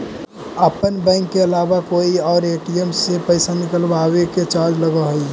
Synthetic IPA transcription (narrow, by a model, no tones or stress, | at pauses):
əpənbɛ̃ːŋkːeəlaːbakoːiɔːɾeːʈiəmsepəɪsanɪkəlbaːweket͡ʃaːɾd͡ʒləɡəɦoi